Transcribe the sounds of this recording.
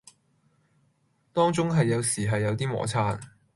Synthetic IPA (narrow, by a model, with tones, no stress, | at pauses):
t̪ɔː˥ŋt͡sʊ˥ŋɦɐ˨jːɐ˨˧wsiː˨˩ɦɐ˨jːɐ˨˧wt̪iː˥mɔ̰ː˨˥t͡sʰaː˧˥n